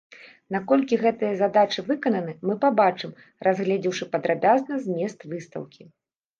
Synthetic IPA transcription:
nakɔlʲkʲiɣɛt̪ɨjɐzad̪at͡ʂɨvɨkɐnɐnɨmɨpabat͡ʂɨm | rʔazɣlʲɛd͡zʲiwʂɨpɐd̪ɾabʲaznɐzʲmʲɛst̪vɨst̪ɐ̰wkʲi

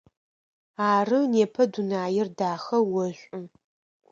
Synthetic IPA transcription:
aːrɨneːpʰɐdunaːjɪrdaːxɐwɔɕʷʼʊ

